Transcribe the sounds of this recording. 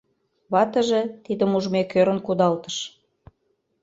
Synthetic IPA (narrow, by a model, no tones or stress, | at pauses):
βɑt̪ə̆ʒĕt̪id̪ə̆muʒmekøɾə̆nkud̪ɑlt̪ə̥̆ʃ